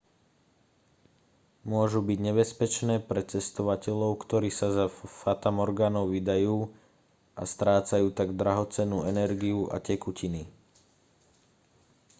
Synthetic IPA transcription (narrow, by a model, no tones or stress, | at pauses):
mʊɔʒubiɟɲɛbɛspɛt͡ʃnɛːpɾɛt͡sɛst̪ɔʋacɛʎɔʊkt̪ɔɾiːsazafat̪amɔɾɡaːnɔʊʋid̪ajuː | ʔa̰st̪ɾaːt͡sajuːt̪aɡd̪ɾaɦɔt͡sɛnːuːɛnɛɾɡiuʔa̰cɛkucʰini